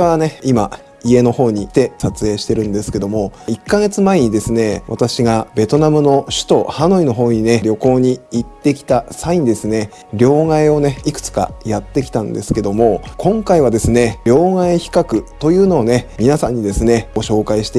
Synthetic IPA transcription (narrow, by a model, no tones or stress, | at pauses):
eβane̞ima | ie̞no̞ho̞ːɲ̟it̪e̞sat͡sɨe̞ːɕi̥t̪e̞ɾɯ̟̃nd̪e̞sɨ̥ke̞d̪o̞mo̞ikːaɡe̞t͡sɨmaeɲ̟id̪e̞sɨne̞βa̰t̪aɕiɡabe̞t̪o̞namɯ̟no̞ɕɨ̥t̪o̞hano̞ino̞ɦo̞ːɲ̟ine̞ɾʲjo̞ko̞ːɲ̟iːt̪ːe̞kʲi̥t̪asaiɲ̟id̪e̞sɨne̞ | ɾʲo̞ːŋaeo̞ne̞ikɯ̥t͡sɨ̥ka̰jat̪ːe̞kʲi̥t̪ãnd̪e̞sɨ̥ke̞d̪o̞mo̞kʰõ̞ŋkaiβ̞ad̪e̞sɨne̞ɾʲo̞ːŋaeçi̥kakɯ̟t̪o̞jɯ̟ːno̞ːne̞mʲinasãɲ̟ːid̪e̞sɨneɡo̞ɕo̞ːkaiɕi̥t̪e